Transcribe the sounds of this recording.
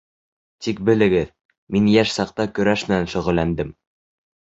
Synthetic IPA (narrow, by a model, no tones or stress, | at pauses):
t̪ik̚bɘ̆lɘ̆ɡɘð | minjæʃsɑq̚t̪ɑkɵ̆ɾæʃmɘ̆nænʃɵ̆ʁɵ̆lːænd̪ɘm